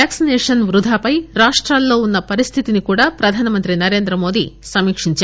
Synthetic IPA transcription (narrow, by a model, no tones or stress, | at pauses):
aːksinɛːʂɐnʋɾud̪ʱaːpɐjɾaːʂʈɾaːlːo̞ːunːɐpɐɾist̪ʰit̪inikuːɽaːpɾɐd̪ʱaːnɐmɐnt̪ɾinɐɾe̞ːnd̪ɾɐmo̞ːd̪ḭsɐmiːkʂiɲt͡ʃaː